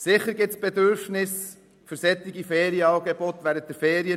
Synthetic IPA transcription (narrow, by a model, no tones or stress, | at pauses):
sɪχəɾɡɪtsb̥ɛd̪ʏɾfnɪs | fʏɾsɛt̪ːɪɡifɛːɾiəɑɡebot̪ʋæːɾənt̚d̥ɛɾfeːɾiə